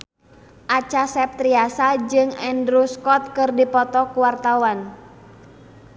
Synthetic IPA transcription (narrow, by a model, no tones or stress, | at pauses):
ʔat͡ʃasɛp̚t̪ɾiasad͡ʒɨŋɛndɾuskɔt̪̚kɨrdipɔt̪ɔkuwart̪awan